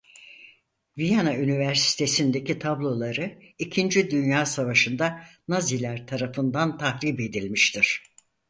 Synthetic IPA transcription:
vijanaynivæɾsi̥t̪ʰe̞sind̪e̞cʰit̪ʰablˠo̞lˠaɾɯicʰind͡ʒid̪ynjaːsavaʃɯnd̪anazilʲæɾt̪ʰaɾafɯnd̪ant̪ʰahɾiːbe̞d̪ilʲmiʃt̪ʰiɾ̥

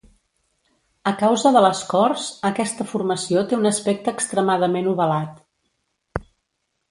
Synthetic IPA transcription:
əkawzəðələskɔrzəkɛst̪əfurməsiot̪eunəspɛk̚t̪əːkst̪ɾəmaðəmenuβəlat̪

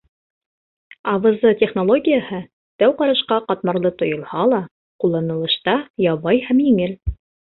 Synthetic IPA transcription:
ɑβɤ̆zɤtʲeχnolˠoɡʲijəhɤ | t̪æwqɑɾɤʃqɑqɑt̪̚mɑɾlˠɤt̪ŏjŏlˠhɑlˠɑ | qulˠːɑnɤ̆lˠɤ̆ʃt̪ɑjɑβɑjhæmjiŋɘl

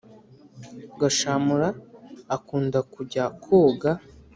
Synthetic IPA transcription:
ɡaʃamuɾaːkuːndakuɟakʰoːɡa

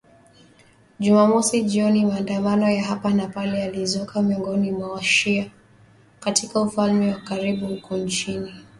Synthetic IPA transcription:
ʄumamɔsiʄiɔnimaːndamanɔjaɦapanapalɛalizɔkʰamiɔŋɡɔnimwawaʃia | katikaufalmɛwakaɾiɓuhukɔnt͡ʃini

